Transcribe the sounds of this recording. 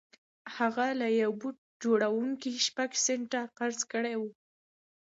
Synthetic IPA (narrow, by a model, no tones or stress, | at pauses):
haɣalajawbut̪̚ | d͡ʒoɽawuŋkiʃpaɡseɳʈaqaɾzkəɽawu